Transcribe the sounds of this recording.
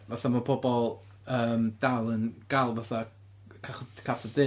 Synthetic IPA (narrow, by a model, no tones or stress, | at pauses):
vaθamapʰɔbɔlˠ | əːmd̥alˠənɡ̥alˠvaθa | kʰaχkʰatʰədɨ